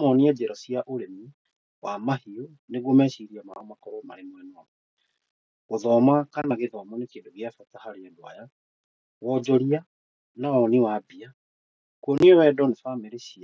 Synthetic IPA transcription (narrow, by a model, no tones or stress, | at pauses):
mɔniɛd͡ʑɛɾɔsiaʔoɾemi | wamahio | neɣomɛɕiɾiamaɔmakɔɾɔmaɾemoemɔ | ɣoðɔmakanaɣeðɔmɔnekeːndoɣjafatahaɾeɛdwa̰ja | wɔd͡ʑɔɾia | nawɔniwabia | kwɔniɛwɛdɔnefameɾeɕia